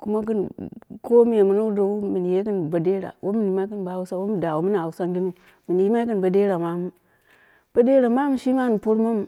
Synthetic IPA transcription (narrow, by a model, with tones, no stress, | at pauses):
ku˦ma˦k̬ə˦nko˦mi˦ja˨mu˨na˦u˦do˨wu˦mi˨n˨je˦kə˦nba˨de˦ɾa̰˨wʔo˦mi˦n˨i˦ma˦kə˦nba˦wu˦sa˦wo˦m˨da˨wo˨mi˦na˨wu˨˦sa˦ŋɡi˦nu˦ | mi˨n˨ji˦ma˦i˦kə˦nba˨de˦ɾa˨ma˦mu˦ | b̥a˦de˦ɾa˨ma˦m˦ʃi˦ma˦n˨po˦ɾma˦m˨